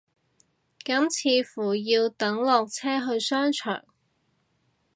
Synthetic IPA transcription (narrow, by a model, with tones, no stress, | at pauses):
kɐ˨˥mt͡sʰiː˨˧fuː˨˩jiː˧wt̪ɐ˨˥ŋlɔː˨k̚t͡sʰɛː˥ɦɵ˧ɥsœː˥ŋt͡ʃʰœ̰ː˨˩ŋ